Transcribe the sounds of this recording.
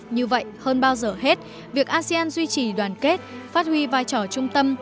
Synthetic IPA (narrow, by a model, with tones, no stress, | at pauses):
ɲɨ˧və̰˧˨jhəː˧nɓaː˧wzəː˨˩he˦˥t̚ | vi˨˩ək̚ʔaː˧si˧aː˧nzwi˧t͡ɕi˨˧˩ɗwaː˨˩nke˦˥t̚faː˦˥t̚hwi˧vaː˧jt͡ɕɔ˧˩t͡ɕʊ˧ŋ͡mt̪ə˧m